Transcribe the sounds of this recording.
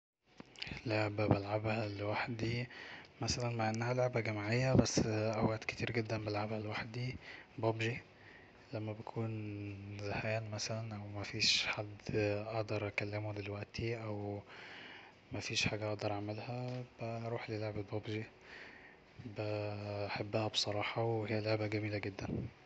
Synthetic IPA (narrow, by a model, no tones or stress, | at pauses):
loʕbæbælʕabhælwaħd̪imæsælænmaʕʔenːahæloʕbæɡæmʕejːæbæsːʔæwæd̪ke̥t̪iːɾɡed̪ːænbælʕabhælwaħd̪ibobʒi | læmːæbekʰuːnzahæːnmæsælænʔæwmæfiːʃħad̪ːʔɑʔd̪ɑɾˤʔækælːemod̪elwæʔt̪ʰiʔæw | mæfiːʃħaːɡæʔɑʔd̪ɑɾˤʔaʕmelhæb̥æɾˤuːħleloʕbelbobʒi | bæħabːæhæbsˤɑɾˤɑːħɑwehejːæloʕbæɡæmiːlæɡed̪ːæn